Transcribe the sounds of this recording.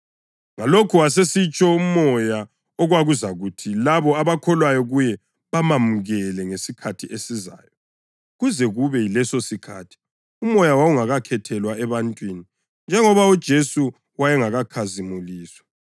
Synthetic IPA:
ŋalokʰuwas̬esit͡ʃʼɔumɔja | ɔɣwaɣuzaɣutʰilaβɔaβakʰɔlwajɔɣujɛ | βamamuɣɛlɛŋesikʰatʰiʔesiza̰ːjɔ | ɣuzɛɣuβɛjilɛsosikʰa̰tʰi̥ | umɔjawauŋaɣakʰɛtʰɛlwaɛβantʼwini | nd͡ʒʱɛŋɔβaud̥ʒ̥ʱesu | wajɛŋaɣakʰazimuliːswḁ

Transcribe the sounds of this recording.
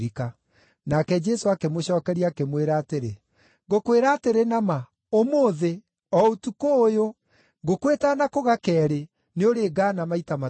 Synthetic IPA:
ɾika | nakɛd͡ʒɛsoakemoɕɔːkɛɾiakemweɾaːteɾe | ɡokweɾaːteɾenama | omoːðe | ɔotukoːjo | ɡokwetanakoɣakɛːɾe | neoɾeːɡaːnamaitama

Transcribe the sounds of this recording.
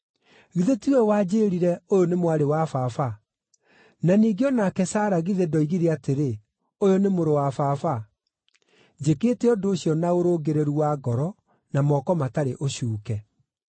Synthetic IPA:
ɣiðetiwɛwaːd͡ʑeːɾiɾɛojonemwaɾewafafa | naniːɡeɔnakɛsaːɾaɣiðedɔiɣiɾeateɾe | ojonemoɾowafafa | d͡ʑekeːtɛɔdoːɕjɔnaoɾoɡeɾeɾuwaɡɔɾɔ | namɔkɔmataɾeʔoɕuːkɛ

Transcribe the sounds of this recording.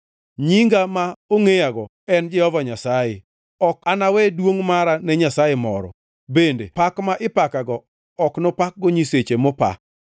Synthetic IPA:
ɲiŋɡamaoŋejaɡɔ | ɛnd͡ʒɪɔvaɲasaje | ɔkanawɛdwoŋmaɾanɛɲasajemɔ̰ɾɔ̰ | bendepakmaʔɪpakaɡɔː | knopak̚ɡɔɲiset͡ʃemopa̰

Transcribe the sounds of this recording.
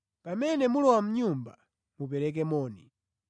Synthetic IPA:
pamɛnɛmulɔwam̩ɲumba̰ | mup̬ɛɾɛk̬ɛmɔːni

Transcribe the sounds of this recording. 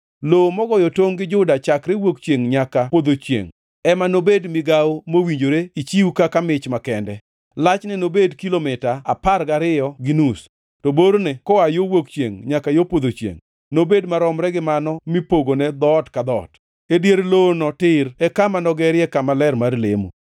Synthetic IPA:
lomɔɡɔjɔtoŋɡɪd͡ʒʊdat͡ʃakɾewokt͡ʃjeŋɲakapod̪ot͡ʃjḛŋ | ɛmanobedmɪɡawomowiɲd͡ʒoɾeit͡ʃiukakamɪt͡ʃmakɛndɛ | lat͡ʃnɛnobedkilomɪtaːparɡaɾɪjɔɡinus | toboɾnekɔajowokt͡ʃjḛŋɲakajopod̪ot͡ʃjḛŋ | nobedmaɾɔmɾɛɡɪmanɔmipoɡonɛd̪ɔtkad̪ɔ̰t | edjeɾlonɔtɪɾɛkamanɔɡɛɾjɛkamalɛɾmarlḛmṵ

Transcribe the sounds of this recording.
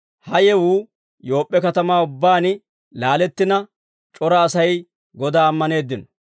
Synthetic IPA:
hɐjɛwuː | jo̞ːpʼːɛkɐt̪ɐmaːʊbːaːnɪ | laːlɛt̪ːɪnɐ | t͡ʃʼɔɾɐːsɐj | ɡɔd̪aːɐmːɐne̞ːd̪ːɪnɔ̥

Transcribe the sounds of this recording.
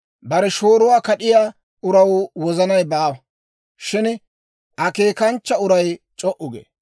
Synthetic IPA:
bɐɾɛʃoːɾʊwaːkɐɗɪjaː | ʊɾɐwwɔzɐnɐjbaːwɐ | ʃɪn | ʔɐkeːkɐnt͡ʃːɐʊɾɐjt͡ʃʼɔʔʊɡḛː

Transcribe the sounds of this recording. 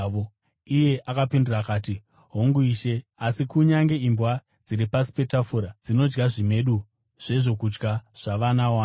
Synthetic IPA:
o | ije̞ʔakapindurakaːti | ɦoŋɡuiːʃe̞asikuɲaŋɡe̞imbwa | d͡ziɾipasi̥pe̞tafuɾad͡zino̞d͡ʒɡaʐime̞ɗu | ʐ̥e̞ʐo̞kud͡ʒɡaʐ̥aʋanawa

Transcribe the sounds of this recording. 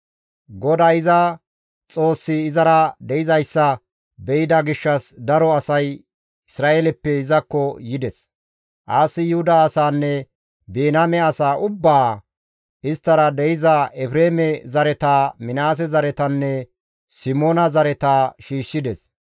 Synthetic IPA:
ɡɔd̪aːjɪzɐ | t͡sʼo̞ːsːɪːzɐɾɐd̪ɛjɪzɐjsːɐ | bɛjɪd̪ɐɡɪʃːɐsd̪ɐɾɔɐsɐj | ɪsɾaːʔelɛpːɛɪzɐkːɔjɪd̪ɛs | ʔaːsːɪjʊhʊd̪aːsaːnːɛ | beːnamɛɐsaːʔʊbːaː | ɪst̪ːɐɾɐd̪ɛjɪzɐʔɛfɾeːmɛzɐɾɛt̪aːmɪnaːs̬ɛzɐɾɛt̪ɐnːɛ | sɪmoːnɐzɐɾɛt̪aːʃiːʃːɪd̪ɛs

